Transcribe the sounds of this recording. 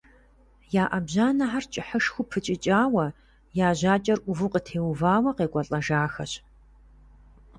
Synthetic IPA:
jaːʔɐbʑaːnɐħart͡ʃʼɪħəʂxʷʊpʰɨt͡ʃʼɪt͡ʃʼaːwɐ | jaːʑaːt͡ʃʼɐrʔʷʊvuqətʰeːwvaːwɐqeːkʷʼɐɬʼɐʒaːxɐɕ

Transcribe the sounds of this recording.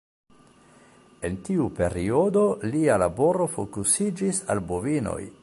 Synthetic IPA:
e̞ntiupe̞ɾio̞dolialabo̞ɾo̞fokusid͡ʒisa̰lbovino̞̰j

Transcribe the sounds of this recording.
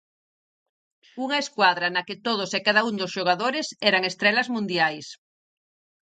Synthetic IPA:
uŋɐeskwaðɾɐnɐket̪oð̞osekaðaund̪osʃoɣ̞aðoɾesɛɾɐŋest̪ɾɛlɐzmũnd̪jajs

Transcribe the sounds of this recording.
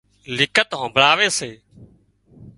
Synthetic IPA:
lɪkʰət̪ɦõːbʱɾaːʋeːseː

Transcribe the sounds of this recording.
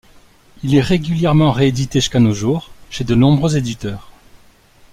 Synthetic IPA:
ilɛʁeɡʲyljɛʁmɑ̃ʁeed̪it̪eʒyskanoʒuːʁʃed̪ənɔ̃bʁøzed̪it̪œːʁ

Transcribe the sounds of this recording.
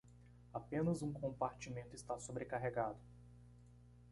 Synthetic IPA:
apẽnɐzũkõmpaɾt͡ʃimẽnt̪ʊist̪asobɾekaɦeɡad̪ʊ

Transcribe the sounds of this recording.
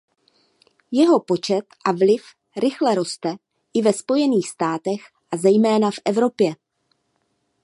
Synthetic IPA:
jɛɦo̞po̞t͡ʃɛt̪ʔavlɪf | ɾɪxlɛɾo̞st̪ɛ | ʔɪvɛspo̞jɛniːxst̪aːt̪ɛx | ʔazɛjmɛːnafʔɛvɾo̞pjɛ

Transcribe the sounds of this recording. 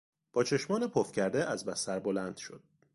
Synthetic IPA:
b̥ɒːt͡ʃʰe̞ʃmɒːnepʰofcʰæɾd̪eʔæzbæsæɾbolænd̪̥ʃo̞̰d̪̥

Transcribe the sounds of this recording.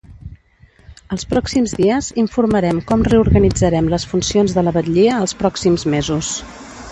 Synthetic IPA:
əlˠspɾɔksimzðiəziɱfuɾməɾɛmkɔmreuɾɣənid͡zəɾɛmləsfunsionzðələβət̪ʎiəːlˠspɾɔksimzmezus

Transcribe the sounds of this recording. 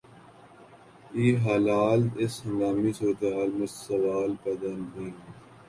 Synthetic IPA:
iːɦaːlaːlt̪ɪsɐŋɡaːmisuːɾət̪eɦaːlmẽssɐʋaːlpɐd̪ɐnɦĩː

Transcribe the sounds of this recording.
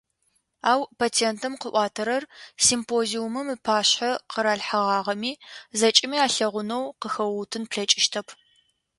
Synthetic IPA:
aːwpʰaːtʰeːntʰɨmqəʔʷɑːtʰɐɾɐrsimpʰoːziumɨmɨpʰaːɕħɐqəɾaːɮħɐʁɑːʁɐmiːzɐt͡ʃʼɪmiːaːɬɐʁʷʊnɐwqəxɐwutʰɨnpɬɐt͡ʃʼɪʃtʰɐpʰ

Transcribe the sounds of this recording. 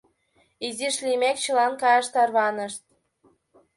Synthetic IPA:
iziʃlimek̚t͡ɕə̆lɑnkɑjɑʃt̪ɑrβɑnəʃt̪̚

